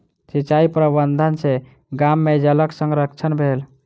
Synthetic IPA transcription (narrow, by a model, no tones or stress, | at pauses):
sit͡ʃaipɾəbənd̪ʱənse | ɡamːed͡ʒələksə̃ŋɡɾəkt͡ʃʰənbʱel